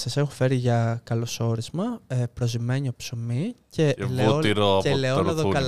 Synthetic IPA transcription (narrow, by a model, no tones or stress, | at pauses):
sɐsexufe̞ɾiʝɐkɐloso̞ɾizmɐepɾo̞zimeɲiopso̞mice̞leuotiɾoeleonɐðokɐl